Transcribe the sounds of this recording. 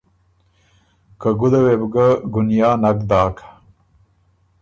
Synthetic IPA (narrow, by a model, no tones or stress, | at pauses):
kaɡud̪awebɡaɡunjaːnakd̪ɑːkʰḁ